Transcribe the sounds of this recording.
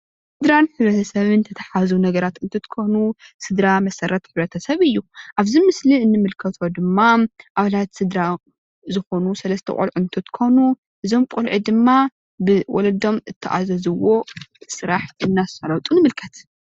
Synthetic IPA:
sɨd̪ɾanħɨβɾɐt̪ʰɐsɐβɨnt̪ʰɐt̪ʰɐ̥ħazunɐɡɐɾat̪ɨnt̪ʰɨt̪kʰonusɨd̪ɾamɐsɐɾɐt̪ħɨβɾɐt̪ʰɐsɐβɨjːuʔaβzimɨsliɨnːɨmɨlkʰɐt̪ʰo̞d̪ɨmːaʔaβalat̪sɨd̪ɾa | zɨxo̞nusɐlɐst̪ʰɐ̰kʼṵlʕunt̪ʰɨt̪kʰonu | ʔɨzo̞mkʼulʕɨd̪ɨmːa | bɨwɔlɐd̪o̞mɨt̪ʰːɨʔa̰zɐzɨwo̞sɨɾaħʔɨnːasɐlɐwt̪ʼunɨmɨlkʰɐt̪

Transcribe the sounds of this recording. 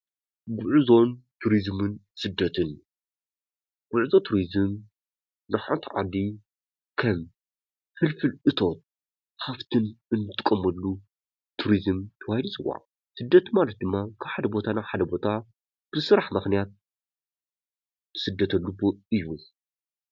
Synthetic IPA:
ɡʊʕuzo̞nt̪ʰuɾizmɨnsɨd̪ːɐt̪ʰɨn | ɡ̥ʊʕuzo̞t̪ʰuɾizɨm | nɨħant̪ʰʕa̰d̪i | kʰɐm | hɨlfɨlʔɨt̪ʰo̞t̪̚ | haft̪ʰɨnɨnːɨt̪ʰːɨkʼːɐmːɐlːu | t̪ʰuɾizɨmt̪ʰɐwahid̪ut͡sʼɨwːa̰ʕ | sɨd̪ːɐt̪malɐt̪̚d̪ɨmːakʰaβħad̪ɐbo̞t̪ʰanaβħad̪ɐbo̞t̪ʰa | b̥ɨsɨɾaħmɨxnijat̪̚ | ɨ̥sɨd̪ːɐt̪ʰɐlːuboɨjːu

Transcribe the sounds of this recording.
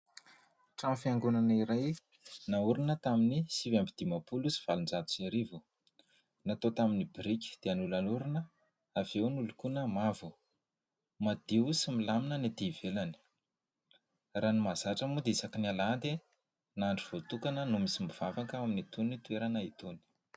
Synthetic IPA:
ʈ͡ʂamifiaŋɡunaniɾaj | nauɾinət̪aminisivambid̪̥imapulusi̥v̥alund͡zat̪u̥saɾivu | nat̪ot̪aminibiɾikʲi̥d̪̥eanulanuɾinə | av̥ewnulukunamavu | mad̪̥iusimilaminənid̪ivelani̥ | ranimazaʈ͡ʂəmud̪eisakinialand̪e | naɳɖ͡ʐiv̥ot̪ukanənumisimiv̥avakəaminit̪unit̪ueɾanait̪oni̥

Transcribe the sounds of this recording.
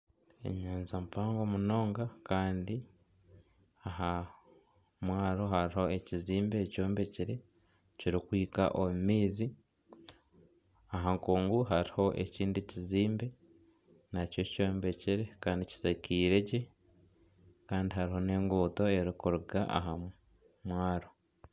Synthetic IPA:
ḛɲaːnzampaːŋɡomuno̞ːŋɡakaːndi | aɦa | mwaːɾo̞ɦaɾiho̞e̞ciziːmbe̞co̞ːmbe̞ciɾe̞ | ciɾikwiːka̰ʔomumiːzi | aɦaŋkuːŋɡuɦaɾiho̞ʔe̞̰ciːndiciziːmbe̞ | naco̞co̞ːmbe̞ciɾe̞kaːndici̥sakʰiːɾe̞ɟe | kaːndiɦaɾiɦo̞ne̞ːŋɡuːto̞e̞ɾikuɾuɡaʔa̰ɦa | mwaːɾo̞

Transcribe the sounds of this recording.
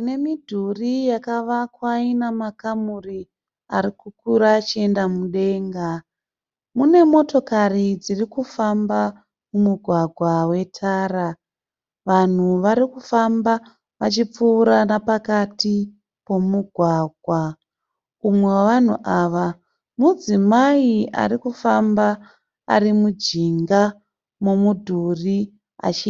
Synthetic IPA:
une̞midʱurijakaʋakwainamakamuri | aɾikukuɾaːt͡ʃie̞ndamuɗe̞ŋɡa | mune̞mo̞to̞karid͡zirikufamba | mumuɡʱwaɡʱwawe̞tʰaːɾa | ʋan̤uʋaɾikufamba | ʋat͡ʃip͡fuːɾanapakati | po̞muɡʱwaːɡʱwa | umwe̞waʋan̤ṵʔaːʋa | mud͡zimaia̰rikufamba | a̰rimud͡ʒiŋɡa | mo̞mudʱuri | a̰t͡ʃi

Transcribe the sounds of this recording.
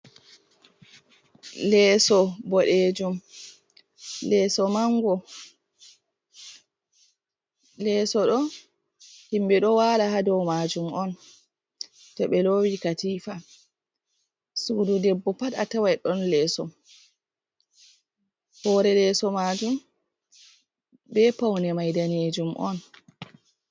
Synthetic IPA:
lɛsɔbɔɗed͡ʒum | lɛːsɔmaŋɡɔ | lɛːsɔɗɔ | himbɛɗɔwaːlahadɔwmad͡ʒumʔɔn | tɔɓɛlowikatiːfa | suːdudɛbːɔpatatawajɗɔnlɛːsɔ | hɔɾɛlɛːsɔmad͡ʒum | bɛpawnɛmajdaneːd͡ʒumʔɔ̰n

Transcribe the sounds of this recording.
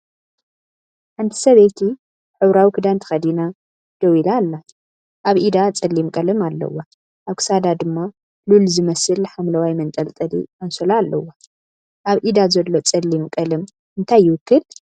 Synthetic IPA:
ħant̪ʰi̥sɐβet̪ʰi | ħɨβɾawikʰɨd̪ant̪ʰɨ̥xɐd̪ina | d̪̥ɐwilaːlːa | ʔaβʔid̪at͡sʼɐlːimkʼɐlɨmalːɐ̰wːa | ʔaβkʰɨ̥sad̪ad̪ɨmːa | lulzɨmɐsɨlːħamlɐwajmɐnt̪ʼɐlt̪ʼɐd̪ḭmɐnsolaːlːɐ̰wːa | ʔaβʔid̪azɐlːo̞t͡sʼɐlːimkʼɐlɨm | ʔɨnt̪ʰajːɪwʊkːɨl

